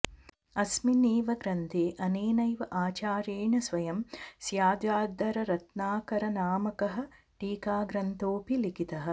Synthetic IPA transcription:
ɐsmineːʋɐɡɾɐnt̪ʰeːʔɐneːnɐjʋɐʔaːt͡ʃaːɾjeːɳɐsʋɐjɐmsjaːd̪jaːd̪ɐɾɐɾɐt̪naːkɐɾɐnaːmɐkɐɦɐ̆ | ʈiːkaːɡɾɐnt̪oːpilikit̪ɐɦɐ̆

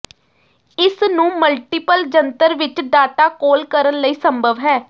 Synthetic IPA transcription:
ɪsnũːməlʈɪpəld͡ʒənt̪əɾʋɪt͡ʃɖaːʈaːkoːlkəɾənləiːsəmbʱəʋɦɛː

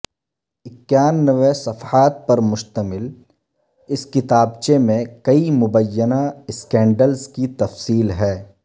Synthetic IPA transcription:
ɪkːjaːnːəʋesɐfaːt̪̚pɐɾmʊʃt̪əmɪl | ɪskɪt̪aːbt͡ʃemẽkɐimʊbəjːənaɪskɛ̃ːɳɖəlskit̪ɐfsiːlɦɛː

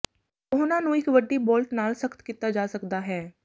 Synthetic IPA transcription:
ʊɦnãnũɪkʋəɖːiboːlʈnaːlsəkt̪kit̪ad͡ʒaːsɐkd̪aɦɛː

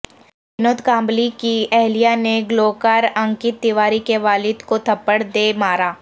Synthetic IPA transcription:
bɪnoːt̪kãːmblikiɛɦlijaneɡloːkaːɾə̃ŋkɪt̪ːɪʋaːɾikeʋaːlɪd̪kot̪ʰɐpːəɽd̪emaːɾaː

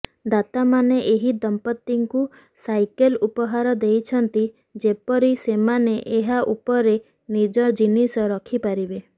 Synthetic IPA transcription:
d̪at̪amaneʔeɦid̪ɔmpɔt̪ːiŋku | sajkelupɔɦaɾɔd̪ejt͡ʃʰɔnt̪i | d͡ʒepɔɾisemaneʔeɦaʔupɔɾe | nid͡ʒɔd͡ʒinisɔɾɔkʰipaɾibe

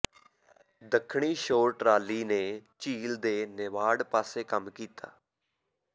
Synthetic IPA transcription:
d̪əkʰɳiːʃoːɾʈɾaːliːneːt͡ʃiːld̪eːnɪʋaːɖpaːseːkəmkiːt̪a̰ː

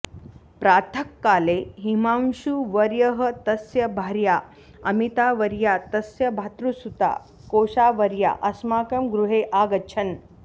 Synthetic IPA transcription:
pɾaːt̪ʰəkːaːleɦimãmɕuʋɐɾjɐɦət̪ɐsjɐbʱaɾja | ɐmit̪aʋəɾjat̪ɐsjɐbʱat̪ɾusut̪a̰ | koːʂaːʋɐɾja̰ʔɐsmaːkɐmɡɾuɦeʔaɡɐːt͡ʃʰɐn

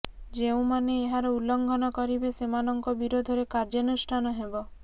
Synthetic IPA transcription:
d͡ʒeũmaneːɦaɾɔulːɔŋɡʱɔnɔkɔɾibesemanɔŋkɔbiɾod̪ʱɔɾekaɾd͡ʒɔnusʈʰanɔɦebɔ

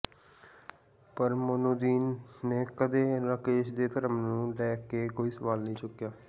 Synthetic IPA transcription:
pəɾmʊnoːd̪iːnːeːkəd̪eːɾəkeːʃd̪eːt̪əɾəmnũːlɛːkeːkoːiːsəʋaːlnəĩːt͡ʃʊkːjaː

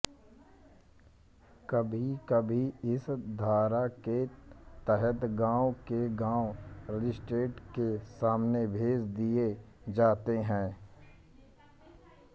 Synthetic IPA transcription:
kəbʱikəbʱiɪsd̪ʱaːɾaket̪ɛɦət̪ɡãːʊkeɡãːoɾɪd͡ʒɪsʈɾeːʈkesaːmnebʱeːd͡ʒd̪ie | d͡ʒaːt̪eɦɛ̃ː

